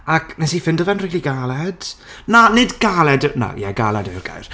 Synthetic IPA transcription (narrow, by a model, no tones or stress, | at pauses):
akʰnɛsifɪndɔvɛnriːlˠiɡalˠɛd̥nanɪdɡalˠɛdna̰jɛɡalˠɛdərɡa̰jr